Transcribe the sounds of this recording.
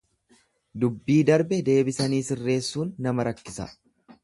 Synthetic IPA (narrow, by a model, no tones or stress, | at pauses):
d̪ʊbːiːd̪ɐɾbɛd̪e̞ːbɪsɐniːsɪrːe̞ːsːuːnːɐmɐɾɐkːɪsɐ̰